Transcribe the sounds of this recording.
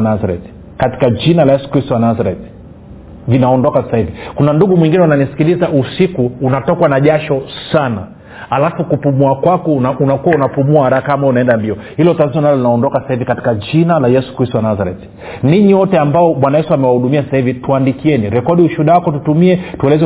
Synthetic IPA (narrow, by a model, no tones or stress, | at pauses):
nazaɾɛ̰t | kati̥kad͡ʒinalajɛsu̥kɾistɔwanazaɾɛt | linaɔndɔkasasahivikunanduɠumwiŋɡinɛunanisi̥kilizaʔusikuːnatɔkwanaʄaʃɔsana̰ | alafukupumuakwakɔaunakuwaunapumuahaɾakaamaunaɛndambiɔhilɔtaziɔnalɔlinaɔndɔkasḁsahivikati̥kaʄinalajɛsu̥kɾistɔwanazaɾɛ̰t | niɲiwɔtɛambaɔmwanajɛsuamɛwahuɗumiasḁsahivituandikiɛniɾɛkɔɗiuʃuɗawakɔtutumiɛtuɛlɛzɛ